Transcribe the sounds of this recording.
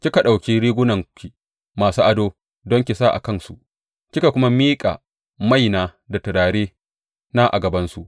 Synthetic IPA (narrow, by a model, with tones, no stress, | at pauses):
kʲi˦ka˨ɗa˨wkʲi˦ɾiː˦ɡʷʊ˦nɐ˨ŋkʲi˨ | maː˨suː˦ʔa˨doː˦ | dɔ˦ŋkʲi˨sa˦˨ʔa̰˨kɐ˦˨nsu˨ʔ | kʲɪ˦ka˨kʷʊ˦ma˦miː˦kʼa̰ː˨ | ma˦jnaː˨ | da˨tɐ˨ɽaː˨ɽeː˦ | na˦ʔa̰˨ɡɐ˨bɐ˦nsu˨ʔ